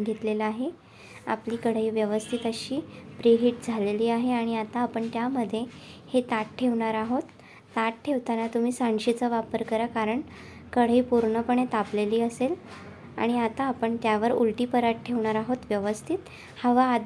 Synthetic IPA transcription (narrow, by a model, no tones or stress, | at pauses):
ɡʱit̪lelaɦe | a̰pliːkəɽ̤iːʋjəʋəst̪ʰit̪əɕiːpɾeɦiʈ̚d͡zʱaleliːaɦeaɽ̃iat̪aːpəɳt̪jaməd̪ʱːje | het̪aʈ̚ʈʰːeʋɳaɾaɦot̪ː | aʈʈʰːeʋt̪anat̪um̤iːsaɳɕit͡səʋapəɾkəɾəkaɾəɳ | kəɽ̤iːpuɾɳəpəɳ̃et̪apleliːəsel | a̰ɽ̃iat̪aːpəɳt̪jaʋəɾṵlʈiːpəɾaʈʈʰeʋɳaɾaɦot̪ʋjəʋəst̪ʰit̪ | həʋaːd̪